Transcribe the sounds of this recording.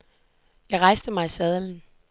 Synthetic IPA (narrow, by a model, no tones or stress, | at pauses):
jɑ̈ɪʁɑ̈ɪsd̥əmɑ̈ɪisɛð̞ˠln̩